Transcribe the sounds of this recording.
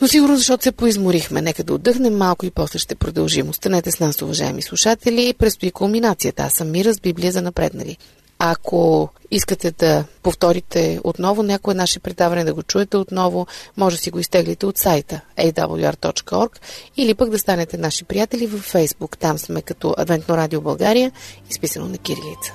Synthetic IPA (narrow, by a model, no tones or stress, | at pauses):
nosiɡʊɾnozɐʃt̪ɔt̪ʊ̥sɛpoizmʊɾixmɛ̰nɛkəd̪ɐo̰d̪ːɤxnɛmːalˠkʊipɔslɛʃt̪ɛpɾod̪ɐlˠʒimost̪ɐnɛt̪ɛsnasʊvɐʒa̰ɛ̰mislˠuʃat̪ɛlʲipɾɛt̪st̪ʊikomminat̪sijət̪əa̰sːɐmːiɾəzbibliəzɐnɐpɾɛ̰d̪nɐ̰vḭ | ɐkʰoiskət̪ɛd̪ɐpoft̪ɔɾit̪ɛo̰t̪nɔvʊnʲakoɛnaʃɛpɾɛd̪avɐnɛd̪ɐɡot͡ʃuɛt̪ɛot̪nɔvomɔʒɛsiɡoist̪ɛɡlɛt̪ɛot̪sajt̪əɛjd̪a̰bə̰lˠa̰ɾt̪ɔ̰t͡ʃkəɔɾkilipəɡd̪ɐst̪anɛt̪ɛnaʃipɾijat̪ɛlʲivəfːɛjzbukt̪amsmɛkɐt̪ɔʔɐ̰d̪vɛnt̪noɾad̪iobɐlˠɡaɾijəispisɐno̰nɐkiɾilḭt̪sə̥